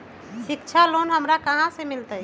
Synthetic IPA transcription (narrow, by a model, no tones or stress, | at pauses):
ʃik̚t͡ʃʰalonɦəmɾakəɦãsemilt̪ə